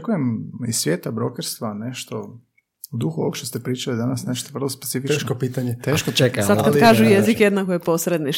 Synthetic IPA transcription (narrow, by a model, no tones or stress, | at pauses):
kujemisʋjeːt̪abɾokeɾst̪ʋane̞ʃt̪o̞ | d̪uxuookʃt̪ost̪epɾiːt͡ʃalid̪anasneʃt̪oʋr̩lˠospet̪sifieʃkopiːt̪aɲet̪eʃkot͡ʃekasad̪kkalkaːʒujezikjed̪nakojepo̞sɾed̪ni